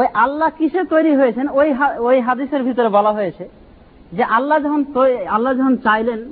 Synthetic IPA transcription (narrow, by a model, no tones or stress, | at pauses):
ojʔalːakiʃʰet̪ojɾiɦojet͡ɕʰenojɦaojɦad̪iseɾbʱit̪oɾebɔlaɦojet͡ɕʰe | d͡ʑeʔalːad͡ʑɔkʰont̪oalːad͡ʑɔkʰont͡ɕajlen